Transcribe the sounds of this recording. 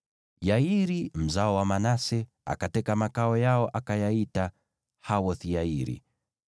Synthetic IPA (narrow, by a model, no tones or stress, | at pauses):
jaiɾim̩zaɔwamanasɛ | a̰katɛkamakaɔjaɔʔakajaita | hawɔθijaiɾḭ